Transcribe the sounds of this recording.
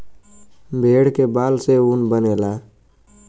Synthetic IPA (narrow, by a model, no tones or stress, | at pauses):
bʱeːɽkebaːlseunbəneːlaː